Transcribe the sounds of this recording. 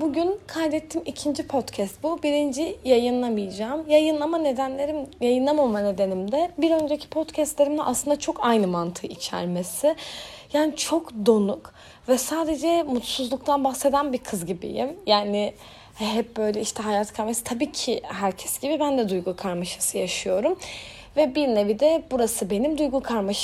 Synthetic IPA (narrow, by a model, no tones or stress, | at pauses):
buɟynkʰajd̪ɛt̪ʰːimicʰind͡ʒipʰo̞t̪cʰɛst̪̚bubiɾind͡ʒijajɯnlˠamijad͡ʒaːmjajɯnlˠamane̞d̪ænlʲe̞ɾimjajɯnlˠamamane̞d̪e̞nimd̪ɛbiɾø̞nd͡ʒecʰi̥pʰo̞t̪cʰɛst̪lʲeɾimd̪ɛʔaslˠɯnd̪at͡ʃʰo̞kʰajnɯmant̪ʰɯit͡ʃʰæ̰ɾmesɪjaːnit͡ʃʰo̞kd̪o̞nuk | vɛsaːd̪e̞d͡ʒɛmut̪suzlˠuk̚t̪ʰanbaxse̞d̪ænbiɾkʰɯzɟibḭjḭmjaːnɪ | ɦɛp̚bø̞jlʲɛiʃt̪ʰɛɦajaːt̪kʰaɾmasɯt̪ʰabiːcʰɪɦæɾcʰɛ̥sɟ̥ibibænd̪ɛd̪ujɡukʰaɾmaʃasɯjaʃɯjo̞ɾum | vɛbiɾnevid̪ɛbuɾasɯbe̞nimd̪ujɡukʰaɾmaʃ